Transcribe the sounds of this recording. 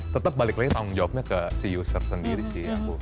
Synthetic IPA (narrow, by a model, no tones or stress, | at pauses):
t̪ət̪ap̚balɪklaɡit̪aŋʊŋd͡ʒawap̚ɲakəsijusərsəndiɾisɪhaku